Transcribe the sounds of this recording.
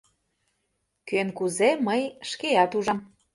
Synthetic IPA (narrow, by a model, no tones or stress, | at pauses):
kønkuzeməjʃkeɑt̪uʒɑm